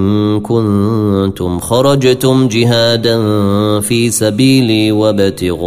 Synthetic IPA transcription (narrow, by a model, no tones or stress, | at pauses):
nnkʊnt̪ʊmxɑɾˤɑd͡ʒt̪ʊmd͡ʒɪɦaːd̪anfiːsabiːlwabat̪ɪɣ